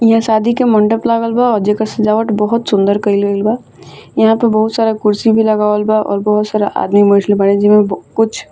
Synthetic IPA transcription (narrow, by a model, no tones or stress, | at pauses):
jɐɦãsaːd̪ʱikemɐ̃ɳɖəplaːɡəlbaɔːɾd͡ʒeːkəɾsed͡ʒaːʋəʈbɔɦʊt̪sʊ̃nd̪əɾkɐilelba | jɐɦãpɐɾbɐɦʊt̪saːɾakʊɾsibʱilɐɡaːʋəlbaʔɔ̰ːɾbɐɦʊt̪saːɾaʔa̰ːd̪mibə̃ːʈʰlebaɽed͡ʒɪmẽbkʊt͡ʃʰ